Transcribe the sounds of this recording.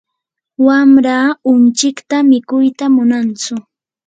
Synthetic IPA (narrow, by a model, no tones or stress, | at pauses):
wamɾaːʊnt͡ʃɪkt̪amɪkʊjt̪amʊnant͡sʊ